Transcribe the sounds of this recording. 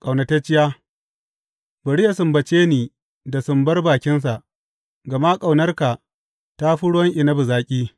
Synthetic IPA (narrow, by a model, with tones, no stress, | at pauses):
kʼa˨wnɐ˨ta˦t͡ʃɪ˦ja˦ | bɐ˨ɽɪ˦ja˨sʊ˨mbɐ˨t͡ʃeː˦niː˨ | da˨sʊ˨mbɐ˦rbaː˨kʲɪ˦ns̬a˨ʔ | ɡɐ˨ma˦kʼa˨wnɐ˦rka˨ | ta˦ɸʊ˦ɽʊ˦wɐ˦ŋʔɪ˨nɐ˦bʊ˨zaː˨kʲʼiː˦